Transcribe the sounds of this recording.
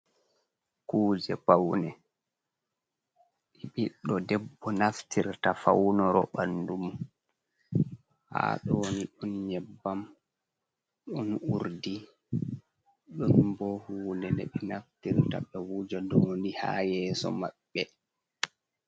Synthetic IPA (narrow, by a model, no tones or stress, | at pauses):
kuːd͡ʒɛpawnɛ | ɗiɓiɗɔdɛbːɔnaftʰiɾtafawnɔɾɔɓanːdum | ha̰ɗoniɗunɲɛbːam | ɗɔnuɾdi | ɗunbɔhuːndɛnɛɓinaftiɾta̰ɓɛwud͡ʒadoːniha̰jɛːsɔ̰maɓːɛ